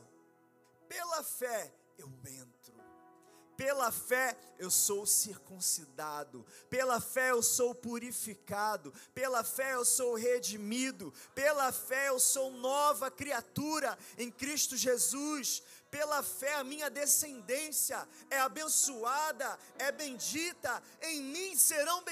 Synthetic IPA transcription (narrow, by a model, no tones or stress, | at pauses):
pelɐfɛ | ewẽnt̪ɾʊ | pelɐfɛewsowsiɾkũsid̪ad̪ʊpelɐfɛewsowpuɾifikad̪ʊpelɐfɛewsowɦed͡ʒimid̪ʊpelɐfɛewsownɔvɐkɾiat̪uɾɐẽj̃kɾiʃt̪ʊʒezus | pelɐfɛɐmĩɲɐd̪esẽnd̪ẽsiɐ | ɛabẽsuad̪ɐ | ɛbẽj̃d͡ʒit̪ɐ | ẽj̃mĩseɾɐ̃w̃b